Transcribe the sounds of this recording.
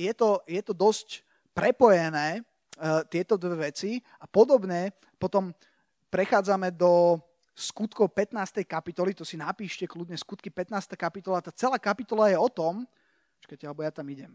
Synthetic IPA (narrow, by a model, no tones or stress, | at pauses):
jɛt̪ɔjɛt̪ɔd̪ɔsc | pɾɛpɔjɛnɛː | t̪ɪɛt̪ɔd̪ʋɛʋɛt͡si | apɔd̪ɔbɲɛ | pɔt̪ɔm | pɾɛxaːd͡zamɛd̪ɔ | skut̪kɔʊpɛt̪naːst̪ɛjkapit̪ɔlit̪ɔsinapiːʃcɛkludɲɛskut̪kipɛt̪naːst̪aːkapit̪ɔlat̪aːt͡sɛlaːkapit̪ɔlajɛɔt̪ɔm | pɔt͡ʃkacɛalɛbɔjat̪amiɟɛm